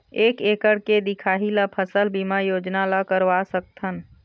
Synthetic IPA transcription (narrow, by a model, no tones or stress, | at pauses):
eːkeːkəɽked̪ɪkʰaːɦilapʰəsəlbimajoːd͡ʒnalakəɾʋasək̚t̪ʰən